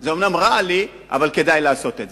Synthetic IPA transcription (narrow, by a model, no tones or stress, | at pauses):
zeomnamʁali | ʔa̰valke̞d̪ajlaːso̞t̪edze